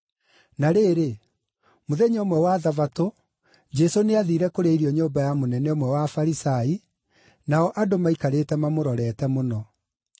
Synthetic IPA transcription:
naɾeːɾe | moðeɲomwɛwaðavato | d͡ʒɛsoneaðiɾɛkoɾeiɾiɔɲoːmbajamonɛnɛɔmwɛwafaɾisai | naɔʔadomaikaɾetɛmamoɾɔɾɛːtɛmonɔ

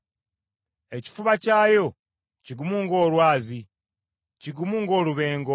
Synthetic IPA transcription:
e̞ci̥fuβacaːjo̞ | ciɡumuŋɡo̞ːlwaːzi | ciɡumuːŋɡo̞ːluβe̞ːŋɡo

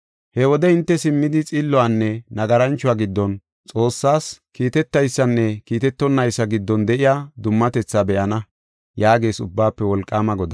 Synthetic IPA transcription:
hɛwɔd̪ɛɪnt̪ːɛsɪmːɪd̪ɪt͡sʼɪlːɔanːɛnɐɡɐɾɐnt͡ʃːʊaːɡɪd̪ːɔn | t͡sʼo̞ːsːaːskiːt̪ɛt̪ːɐjsːɐnːɛkiːt̪ɛt̪ːɔnːɐjsːɐɡɪd̪ːɔnd̪ɛʔɪjaːd̪ʊmːɐt̪ɛt͡sːabɛʔɐnɐ | jaːɡe̞ːsʊbːaːpːɛwɔlkʼːaːmɐɡɔd̪ɐ

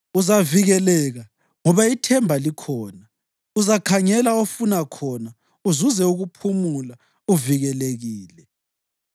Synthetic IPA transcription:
uzaviɣɛlɛɣa | ŋɔβaitʰɛmbʱalikʰɔːna | uzakʰaŋɛlaofunakʰɔna | uzuzɛuɣupʰumula | uviɣɛleɣiːlɛ

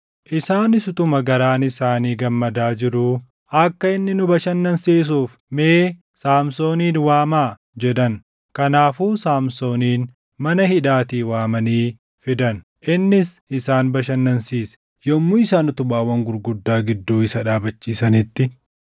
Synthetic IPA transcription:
ʔɪsaːnɪsʊt̪ʊmɐɡɐɾaːnɪsaːniːɡɐmːɐd̪aːd͡ʒɪɾʊ | ɐkːɐɪnːɪnʊbɐʃɐnːɐnseːs̬uːf | meː | saːmso̞ːniːnwaːmaː | d͡ʒɛᶑ̪ɐn | kɐnaːfuːsaːmso̞ːniːn | mɐnɐhɪᶑaːt̪iːwaːmɐniː | fɪd̪ɐn | ʔɪnːɪsɪsaːnbɐʃɐnːɐnsiːs | jɔmːʊɪsaːnʊt̪ʊbaːwɐŋɡʊɾɡʊd̪ːaːɡɪd̪ːuːɪsɐᶑaːbɐt͡ʃːiːsɐnɪt̪ːɪ

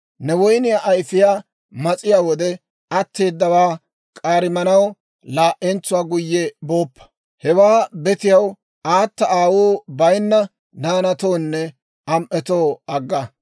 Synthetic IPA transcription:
nɛwɔjnɪjaːʔɐjfɪjaː | mɐt͡sʼɪjaːwɔd̪ɛ | ɐt̪ːe̞ːd̪ːɐwaː | kʼaːɾɪmɐnɐw | laːʔɛnt͡sːʊwaːɡʊjːɛboːpːɐ̥ | hɛwaːbɛt̪ɪjɐw | aːt̪ːɐaːwuːbɐjnːɐ | naːnɐt̪o̞ːnːɛ | ɐmʔɛt̪o̞ːɐɡːɐ

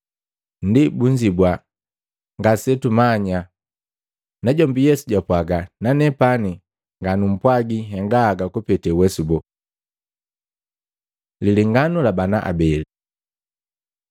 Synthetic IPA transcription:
ndibuɲd͡ʒibwa | ŋɡasɛtumaɲa | naɟɔmbijɛsuɟapwaɡananɛpani | ŋɡanum̩pwaɡiɦɛŋɡaːɡakupɛtɛwɛsubɔ | liliŋɡanulabanaʔa̰bɛli

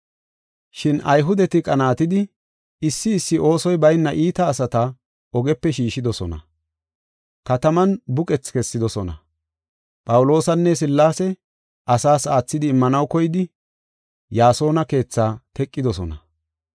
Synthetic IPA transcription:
ʃɪnʔɐjɦʊd̪ɛt̪ɪkʼɐnaːt̪ɪd̪ɪ | ɪsːɪːsːɪʔo̞ːsɔjbɐjnːɐʔiːt̪ɐːsɐt̪ɐ | ɔɡɛpːɛʃiːʃɪd̪ɔsɔnɐ̰ | kɐt̪ɐmɐnbʊkʼɛt͡skɛsːɪd̪ɔsɔnɐ̰ | pʼɐwʊlo̞ːsɐnːɛs̬ɪlːaːsɛ | ʔɐsaːsaːt͡sːɪd̪ɪːmːɐnɐwkɔjɪd̪ɪ | jaːso̞ːnɐke̞ːt͡sːaːt̪ɛkʼːɪd̪ɔsɔnɐ

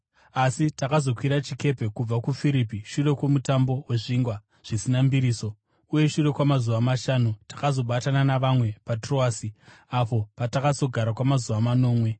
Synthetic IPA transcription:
asitakazo̞kwiɾat͡ʃike̞pe̞kub͡vakufiɾipiʃure̞kwo̞mutambo̞weʐiːŋɡwa | ʐ̥isinambiɾiːso̞ | uje̞ʃure̞kwamazuʋamaʃaːnutḁkazo̞ɓatananaʋamwe̞patro̞aːsi | apo̞patakazo̞ɡʱaɾakwamazuʋamano̞ːmwe̞

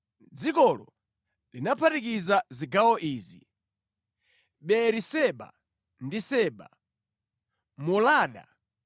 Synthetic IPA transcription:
d͡zikɔlɔ̰ | linapʰatikizaziɡawɔʔiːzi | ɓɛɾisɛɓa̰ | ndisɛːɓa̰ | mulaːɗa̰

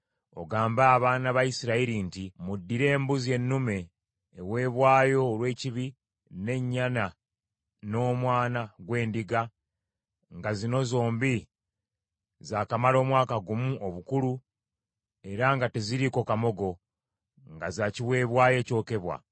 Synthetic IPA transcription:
o̞̰ɡaːmbaːβaːnaβaisiɾaiɾintimudːiɾe̞ːmbuzje̞nːume̞ː | we̞ːβwaːjo̞ːlwe̞ːciβi | ne̞ɲːana | no̞ːmwaːnaɡwe̞ːndiɡa | ŋɡazino̞zo̞ːmbi | zaːkamalo̞ːmwaːkaɡumuoβukulu | e̞ɾaŋɡate̞ziɾiko̞kamo̞ɡo̞ | ŋɡazaːciwe̞ːβwaːje̞ːco̞ːke̞βwa̰

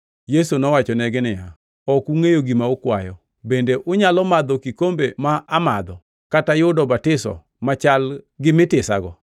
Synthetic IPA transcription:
jesonɔwat͡ʃɔnɛɡɪnɪja | ɔkuŋejoɡimaokwajɔ | bendeʔʊɲalɔmad̪ɔkikombemaʔama̰d̪ɔ | katajʊdɔbatɪsɔ̰ | mat͡ʃalɡɪmɪtɪsa̰ɡɔ

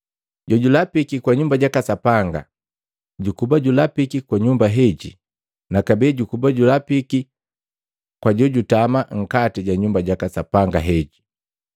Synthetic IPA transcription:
ɟɔɟulapikikwaɲumbaɟakasapaŋɡa̰ | ɟukubaɟulapikikwaɲumbaɦɛɟḭ | nakabɛɟukubaɟulapiki | kwaɟɔɟutamaŋ̩katiɟaɲumbaɟakasapaŋɡaɦɛɟi

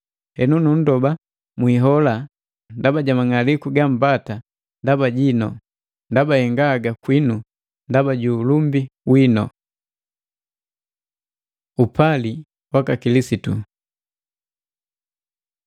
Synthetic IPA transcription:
hɛnunun̩dɔba | mwiɦɔla | ndabaɟamaŋalikuɡam̩bata | ndabaɟinɔ | ndabahɛŋɡaɡakwinu | ndabaɟuːlumbiwinɔ̰ | upali | wakakilisitṵ

